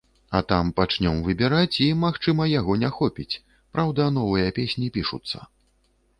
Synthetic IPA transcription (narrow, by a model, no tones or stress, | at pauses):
ɐt̪ampat͡ʂnʲɔmvɨbʲɛɾat͡sʲimaxt͡ʂɨmɐjaɣɔnʲɛxɔpʲit͡sʲ | pɾawd̪ɐnɔvɨjɐpʲesʲnʲipʲiʂṵt̪sːɐ̰